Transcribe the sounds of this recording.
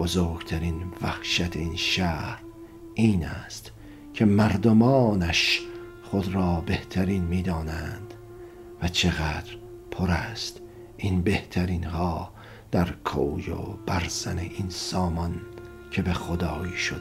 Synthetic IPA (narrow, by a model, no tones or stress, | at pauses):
b̥ozoːɾɡt̪ʰæɾinvæhʃæt̪ʰeiːnʃæːhɾ | ʔiːnæst̪ | kʰe̞mæɾd̪omɒːnæʃ | χod̪ɾɒːbe̞ht̪ʰæɾiːnmiːd̪ɒːnænd̪̥ | væt͡ʃʰe̞ɣæːd̪ɾ | pʰoɾæst̪ | ʔinbe̞ht̪ʰæɾiːnhɒː | d̪̥æɾkʰo̰ːjo̰b̥æɾzæneʔinsɒːmɒn | cʰe̞be̞xod̪ɒːiʃod̪